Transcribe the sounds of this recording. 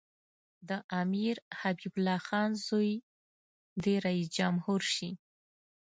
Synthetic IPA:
d̪əʔamiɾhabiblɑxɑnzoj | d̪eɾaisd͡ʒamhuɾʃi

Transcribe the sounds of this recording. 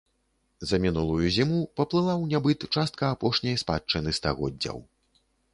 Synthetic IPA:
zɐmʲinulˠujuzʲimupɐplˠɨlˠawnʲabɨt̪t͡ʂast̪̚kɐːpɔʂnʲɐjspa̰t͡ʂt͡ʂːɨnɨst̪a̰ɣɔ̰d̪ʲːɐ̰w

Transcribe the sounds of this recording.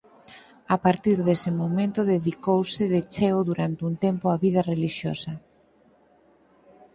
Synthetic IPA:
apaɾt̪iɾðesɪmomẽnt̪ʊðeðikowsɪðet͡ʃeoðuɾant̪ɪunt̪empoaβið̞ɐreliʃjosɐ

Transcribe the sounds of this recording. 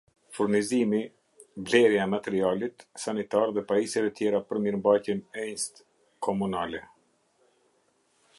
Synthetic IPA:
fuɾnizimi | blɛɾjaɛmat̪ɛɾialit̪sanit̪aɾðɛpaisjavɛt̪jɛɾapəɾmiɾmbajcɛnɛɲst̪ | kʰɔmunalɛ

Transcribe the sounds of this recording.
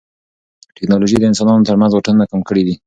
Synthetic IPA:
ʈɪknɑloʒid̪əɪnsɑnɑnot̪əɾmanzwaʈanunakamkəɽid̪i

